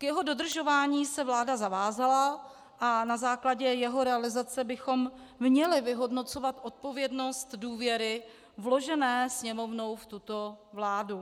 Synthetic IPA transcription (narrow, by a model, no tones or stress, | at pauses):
kjɛɦo̞do̞d̪r̩ʒo̞vaːɲiːsɛvlaːdazavaːzala | ʔanazaːklaɟɛjɛɦo̞ɾɛalɪzat͡sɛbɪxo̞mmɲɛlɪvɪɦo̞dno̞t͡so̞vat̪ʔo̞t̪̚po̞vjɛdno̞st̪duːvjɛɾɪ | vlo̞ʒɛnɛːsɲɛmo̞vno̞wft̪ut̪o̞vlaːdu